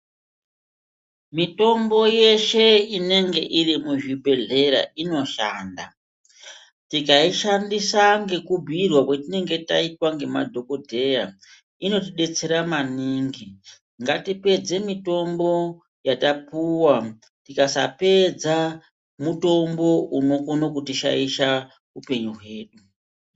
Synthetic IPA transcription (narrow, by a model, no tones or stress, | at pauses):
mito̞mbo̞je̞ʃe̞ine̞ŋɡe̞ʔirimuʐibʱe̞ɮe̞ɾa̰ʔino̞ʃa̰ːnda̰ | tikaiʃandisaŋɡe̞kubʱirwakwetine̞ŋɡe̞ta̰itwaŋɡe̞ma̰dʱo̞ko̞dʱe̞ja | ino̞tiɗe̞t͡se̞ɾamaniːŋɡi | ŋɡatipe̞d͡ze̞mito̞mbo̞ | jatapuwa | tikasa̰pe̞d͡za | muto̞mbo̞ʔuno̞konokutiʃa̰iʃa | upe̞ɲuɦwe̞ːɗu